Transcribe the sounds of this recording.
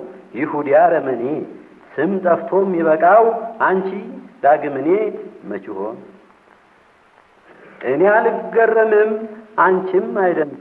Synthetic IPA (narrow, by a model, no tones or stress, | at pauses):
jɪhud̪ijaɾəməne | sɨmt̪ʼəft̪ʰo̞mjɛβəkʼawʔant͡ʃid̪aɡɨmɨnemət͡ʃɪho̞n | ʔɨnealɡərːəmɨmʔant͡ʃɪmːajd̪ə